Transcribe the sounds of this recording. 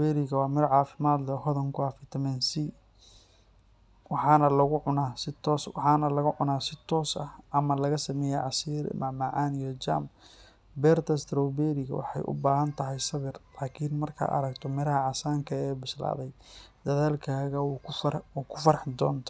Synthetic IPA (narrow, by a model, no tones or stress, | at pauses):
ɛɾɪɣɐwɑːmɪɾʕɑːfɪmaːd̪lɛɦɔðɐŋkʰʊaːfɪt̪ʰɐmɛnsi | wɑħɑːnɐlɐɣʊʕʊnaːsɪt̪ʰɔːswɑħɑːnɐlɐɣʊʕʊnaːsɪt̪ʰɔːsɐhʔɐmɐlɐɣɐsɐmɛːjɛjʕɑsiːɾmɐʕmaʕaːnijɔd͡ʒa̰ːm | bɛːrt̪ʰɐst̪ɾɔwbɛɾɪɣɐ̰wɑ̰ħɑ̰jʔʊ̰baːɦɐnt̪ʰɐɦɛjsɐβɪrlaːkʰiːnmɐrkʰɐ̰ʔɐ̰ɾɐɡt̪ʰɔmɪɾɐɦɐʕɑsaːŋkʰɐɛːbʊsla̰ːðɛjd̪̥ɐðaːlkʰaːɣɐwkʰwuːkʰʊ̥fɐɾɐħɪd̪ɔ̰ːnt̪ʰɔ̥